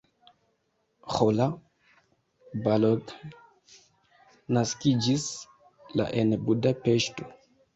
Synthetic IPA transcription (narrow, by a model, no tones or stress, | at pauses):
xola | balot | naskid͡ʒis | la̰ʔenbudapeʃto̞